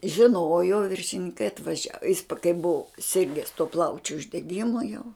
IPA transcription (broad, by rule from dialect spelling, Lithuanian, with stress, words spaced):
ʒʲɪˈnoːjoː ʋʲɪrʲʃʲɪnʲɪŋˈkɐɪ ɐtʋɐˈʒʲɛ jɪs pɐ kɐɪ bʊʋʊ ˈsʲɪrʲɡʲɛs tuɔ ˈplˠɐʊt͡ʃʲʊ ʊʒʲdʲɛˈɡʲɪmʊ jɛʊ